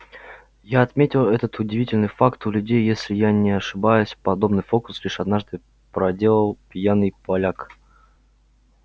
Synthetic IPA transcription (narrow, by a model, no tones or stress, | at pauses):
jaɐt̪mʲetʲɪlˠɛt̪ət̪ʊdʲɪvʲitʲɪlʲnɨjfakt̪ʊlʲʉdʲejːesʲlʲɪjanʲɪɐʂɨbajʊsʲpɐd̪o̞bnɨjfo̞kʊ̥slʲiʂɐd̪naʐd̪ɨ | pɾɐdʲe̞lˠəlˠpʲjanɨjpɐlʲak